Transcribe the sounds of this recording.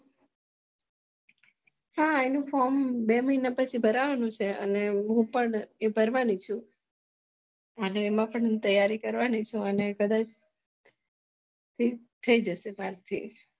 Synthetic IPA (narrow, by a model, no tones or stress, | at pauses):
haenũfɔɾmbeməɦinapət͡ʃʰibʱəɾaʋanũt͡ʃʰeə̰neɦũpəɳebʱəɾʋanit͡ʃʰũ | əneːmãpəɳɦũt̪əjːaɾikəɾʋanit͡ʃʰũənekəd̪at͡ʃ | t̪ʰi | t̪ʰəid͡ʒəʃebʱaɾt̪ʰḭ